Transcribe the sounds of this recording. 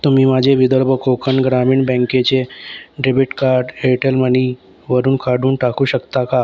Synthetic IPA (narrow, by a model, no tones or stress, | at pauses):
t̪umiːmad͡ʑʱeʋid̪əɾbʱəkokənɡɾamiːɳbɛ̃ŋket͡ɕeɖebiʈkaɾɖeʈelməni | ʋəɾuːnkaɽuːnʈakuːɕəkt̪aka